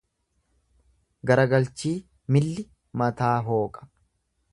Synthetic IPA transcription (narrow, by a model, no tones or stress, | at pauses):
ɡɐɾɐɡɐlt͡ʃiː | mɪlːɪ | mɐt̪aːɦo̞ːkʼɐ̥